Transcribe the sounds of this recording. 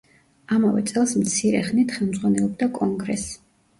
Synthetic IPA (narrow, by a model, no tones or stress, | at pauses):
amavɛ̰t̪sʼɛlˠsmt̪sʰiɾɛχnit̪ʰχɛlˠmd̪zʁwanɛlˠɔb̚d̪akʼɔŋɡɾɛs